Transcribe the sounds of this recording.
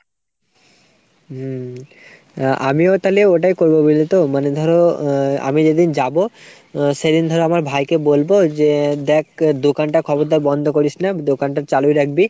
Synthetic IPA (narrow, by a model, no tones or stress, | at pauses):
ʔa̰miot̪aleoʈajkoɾbobilit̪omaned̪ʱɔɾoa̰mid͡ʑed̪ind͡ʑabo | ʃed̪ind̪ʱɔɾeamaɾbʱajkebolbod͡ʑed̪ɛk̚ʰd̪okanʈakʰɔboɾd̪ajbɔnd̪ʱokoɾisnad̪okanʈat͡ɕalujɾak̚ʰbi